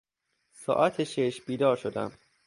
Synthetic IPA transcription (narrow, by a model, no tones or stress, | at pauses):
sɒ̰ːʔæt̪ʰeʃeʃb̥iːd̪ɒːɾʃod̪æ̰m